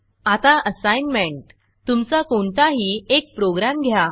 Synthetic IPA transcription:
at̪aʔəsajnmeɳʈ | t̪umt͡sakoɳt̪aɦiːek̚pɾoɡɾamɡʱja

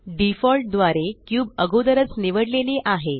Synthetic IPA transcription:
ɖifɔlʈ̚d̪ʋaɾekjuːbəɡod̪əɾət͡sniʋəɽleliʔaɦe

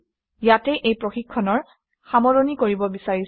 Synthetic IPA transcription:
jatɛʔejpɹoxikʰːɔnɔɹ | xamɔɹonikoɹibɔbisaɹis

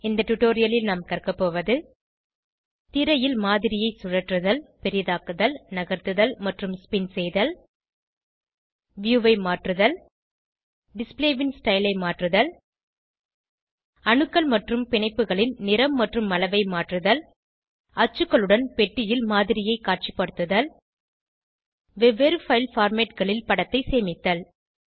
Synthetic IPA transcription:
ɪnd̪ɐʈʊʈoːɾɪjɐlɪlnaːmkɐrkɐpːoːʋɐðɯ | t̪ɪɾɐjɪlmaːðɪɾɪjɐɪsʊɻɐʈrɯðɐlpɛɾɪjðaːkɯðɐlnɐɣɐɾt̪ɯðɐlmɐʈrɯmspɪnsɛjðɐl | ʋjuːʋɐɪmaːʈrɯðɐl | ɖɪspleːʋɪnsʈɐɪlɐɪmaːʈrɯðɐl | ɐɳɯkːɐɭmɐʈrɯmpɪɳɐɪpːɯɣɐɭɪnnɪɾɐmːɐʈrɯmːɐlɐʋɐɪmaːʈrɯðɐl | ɐt͡ʃːɯkːɐɭɯɽɐnpɛʈːɪjɪlmaːðɪɾɪjɐɪkaːʈ̚t͡ʃipːɐɽɯt̪ːɯðɐl | ʋɛʋeɾɯfɐɪlfaːɾmeːʈ̚ɣɐɭɪlpɐɽɐt̪ːɐɪseːmɪt̪ːɐl

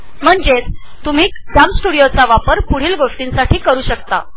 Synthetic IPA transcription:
m̤əɳd͡zet͡st̪um̤iːkd͡zamsʈuɽijot͡saʋapəɾpuɽ̤iːlɡoʂʈiːnsaʈʰiːkəɾuːɕəkt̪a̰

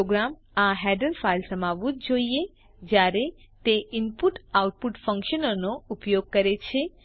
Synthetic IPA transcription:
oɡɾam | aɦɛɖəɾfajlsəmaʋũt̪̚d͡ʒoie | d͡ʒjaɾe | t̪eɪnpuʈawʈ̚puʈfə̃ŋkʃənonoupjoɡ̚kəɾet͡ʃʰe

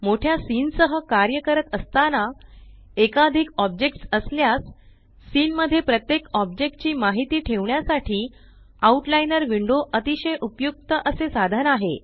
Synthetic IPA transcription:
moʈʰjasiːnsəɦəkaɾjəkəɾət̪əst̪ana | ekad̪ʱikɔbd͡ʑek̚ʈsəsljasː | iːnməd̪ʱːjepɾət̪jekɔb̚d͡ʑek̚ʈ̚t͡ɕiːmaɦit̪iːʈʰeʋɳjasaʈʰiː | auʈlainəɾʋiɳɖoʔət̪iɕəjʔupjuk̚t̪əʔəsesad̪ʱənaɦe

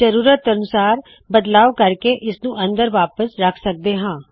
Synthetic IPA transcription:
əɾuːɾət̪ənʊsaːɾ | bəd̪laːkəɾkeʔɪsnũːʔə̃nd̪əɾʋaːpəsɾəkʰsək̚d̪eːɦãː

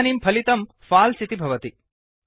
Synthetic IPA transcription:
niːmpʰɐlit̪ɐm | faːlsit̪ibʱɐʋɐt̪i

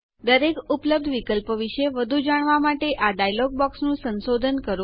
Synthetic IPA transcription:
d̪əɾekupləb̚d̪ʱʋikəlpʋiʃeʋəd̪ʱud͡ʒaɳ̃ʋamaʈeʔaɖajlɔɡ̚bɔksnũsənsod̪ʱənkəɾ

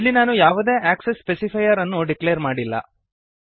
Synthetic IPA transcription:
ilːinaːnujaːʋud̪e̞ːʔaːksesːpesipʰɐjɐɾɐnːuɖikleːɾmaːɽilːɐ̰

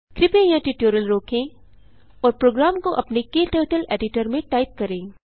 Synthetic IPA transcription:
kɾɪpẽjãʈiʈoːɾiəlɾɔːkʰẽ | ɔːɾpɾoːɡɾaːmkoʔɐpnekeːʈəːʈəlḛːɖɪʈəɾmẽʈaːɪp̚kɐɾẽː

